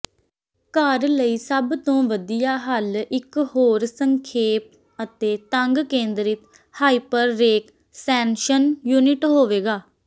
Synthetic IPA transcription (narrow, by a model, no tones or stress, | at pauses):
kəɾləiːsəbt̪õːʋəd̪ijaːɦəlɪkɦoːɾsəŋkʰeːp | ət̪eːt̪əŋɡkẽːnd̪ɾɪt̪ | haːipəɾːeːk | sɛ̃ːnʃənjuːnɪʈɦoːʋeːɡaː